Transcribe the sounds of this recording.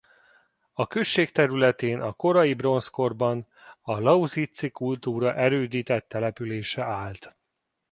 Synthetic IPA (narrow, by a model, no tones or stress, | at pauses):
ɒkøʃːeːkt̪ɛɾylɛt̪eːnʔɒko̞ɾɒjibro̞nsko̞rbɒn | ɒlɒuzit̪sikult̪uːɾɒʔɛɾøːd̪iːt̪ɛt̪ːɛlɛpyleːʃɛʔaːlt̪